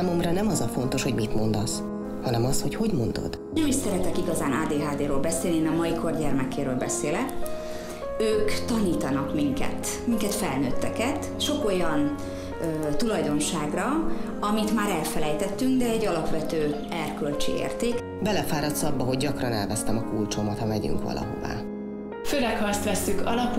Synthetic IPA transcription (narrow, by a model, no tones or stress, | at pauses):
aːmo̞mrɒnɛmɒzɒfo̞nt̪o̞ʃho̞ɟmit̪mo̞nd̪ɒs | hɒnɛmɒsho̞cho̞ɟmo̞nd̪o̰d̪̥ | ɛmiʃsɛɾɛt̪ɛkiɡɒzaːnaːd̪eːɦaːd̪eːɾoːlbɛseːlnieːnɒmɒiko̞rɟɛrmɛkeːɾøːlbɛseːlɛk | øːkt̪ɒniːt̪ɒnɒkmiŋkɛ̰t̪ | miŋkɛt̪fɛlnøːt̪ːɛkɛt̪ | ʃo̞ko̞jɒn | øt̪ulɒjd̪o̞nʃaːɡrɒ | ɒmit̪maːɾɛlfɛlɛjt̪ɛt̪ːyŋɡd̪ɛɛɟːɒlɒpʋɛt̪øː | ɛrkø̞lt͡ʃḭḛːrt̪eːk | bɛlɛfaːɾɒt̪sɒbːɒɦo̞ɟːɒkrɒnɛlvɛst̪ɛmɒkult͡ʃomɒt̪hɒmɛɟy̰ŋkʋɒ̰lʔɒ̰ɦo̰va̰ː | føɾɛkhɒst̪ʋɛsːykɒlɒp